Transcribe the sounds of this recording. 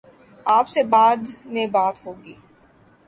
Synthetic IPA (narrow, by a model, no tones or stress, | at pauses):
aːpsebaːd̪nebaːt̪ɦoːɡiː